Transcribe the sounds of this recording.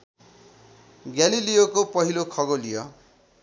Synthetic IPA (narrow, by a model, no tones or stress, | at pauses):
ɡjalilijokopʌɦilokʰʌɡolijʌ